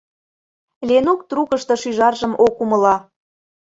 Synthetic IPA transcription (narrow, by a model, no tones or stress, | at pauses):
lʲenukt̪rukəʃt̪ɤ̆ʃyʒɑrʒə̆mokumə̆lɑ